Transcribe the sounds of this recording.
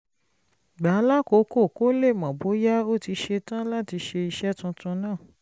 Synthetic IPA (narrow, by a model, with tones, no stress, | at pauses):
ɡ͡ba˨˦la˦ko˨˧˦ko˦˨ko˦le˦˨mã˨bo˨˦ja˦o˦˨ti˧ʃe˧tã˦la˦ti˧ʃe˧i˧ʃɛ˦tũ˧tũ˧nãː˦˨